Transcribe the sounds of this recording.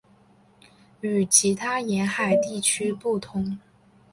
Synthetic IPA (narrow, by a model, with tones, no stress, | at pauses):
y˨˩t͡ɕʰi˧˥t̪ʰa˥jɛ˧˥nxa˨˩ɪt̪i˥˩t͡ɕʰy˥pu˥˩t̪ʰʊ˧˥ŋ